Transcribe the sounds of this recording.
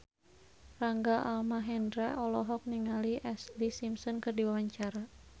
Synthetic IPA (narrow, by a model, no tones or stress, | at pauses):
raŋɡaʔalmaɦɛndɾaʔɔlɔɦɔk̚niŋaliʔɛslisimsɔnkɨrdiwawaɲt͡ʃaɾa